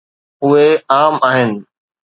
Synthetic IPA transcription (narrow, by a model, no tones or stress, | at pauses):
ʊɦeaːmaːɦɪnɪ̆